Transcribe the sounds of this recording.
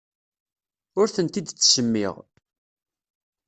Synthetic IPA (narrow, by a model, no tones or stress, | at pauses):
ʊɾθənt̪id̪t͡sːsəmːɪ̰ʁ